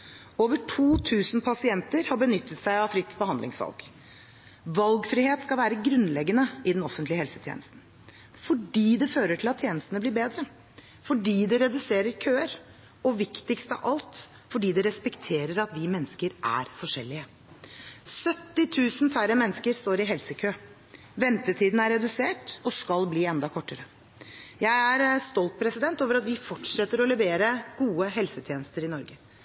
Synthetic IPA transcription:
oːʋəʈʰuːt̪ʰʉːsn̩pʰɑsɪɛnt̪əɾhɑɾbənʏt̪ʰːət̪sæɪɑfɾɪt̪ːbəhɑnd̪lɪ̰ŋsʋɑ̰lɡ̥ | ʋɑlɡfɾɪheːt̪skɑʋæːɾəɡɾʉnlɛɡːənəɪd̪ɛnɔfənt̪lɪəhɛlsət̪ʰɛ̰nəst̪n̩ | fɔɖiːd̪ɛføːɾəʈʰɪlɑt̪ʰːjeːnəst̪ənəbliːɾbeːd̪ɾə | fɔɖiːd̪ɛɾɛd̪ʉseːɾəɾkʰøːəɾ | ɔʋɪkt̪ɪkst̪əɑ̰ʔɑlt̪ | fɔɖiːd̪ɛɾɛspɛkt̪ʰeːɾəɾɑt̪ʋɪmɛnːəskəɾʔæ̰ɾfɔʂɛlːɪə | sœt̪ːɪt̪ʰʉːsnfæɾəmɛnːskəɾst̪oːɾɪɦɛlsəkʰøː | ʋɛnt̪ət̪ʰiːd̪n̩æɾɛd̪ʉseːʈɔskɑlbliːɛnd̪ɑkʰɔʈːəɾə | jæɪæɾst̪ɔlt̪̚pʰɾɛsɪd̪ɛnt̪oːʋəɾɑt̪ʋɪfɔʈʂɛt̪ːəɾɔlɛʋeːɾəɡ̥uːəɦɛlsət̪ʰjeːnəst̪əɾɪnɔɾɡə

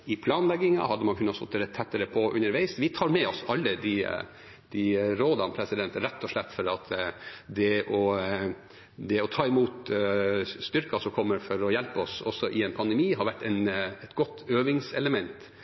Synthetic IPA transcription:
ɪpʰlɑːnlɛɡːɪŋɑ̰ɦɑd̪ːəmɑnkʰʉnːɑst̪ɔt̪̚d̪ɛːɾət̪ʰɛt̪ːəɾəpʰɔʔʉ̰nːəɾʋæɪsʋɪt̪ʰɑːɾmɛɔsɑlːəd̪ɪ | d̪̥ɪɾoːd̪ɑnpʰɾɛsɪd̪ɛnt̪əɾɛt̪ːɔʂlɛt̪ːfɔɾɑt̪d̪ɛʔɔ | d̪ɛɔt̪ʰɑːɪmuːt̪ | st̪ʏɾkɑsɔmkʰɔmːəɾfɔɾɔjɛlpəɔsɔ̰sɔʔɪɛɪnpʰɑnd̪əmiːɦɑɾʋæʈːɛɪnɛt̪ɡɔt̪ːøːʋɪŋsɛ̰ləmɛnt̪

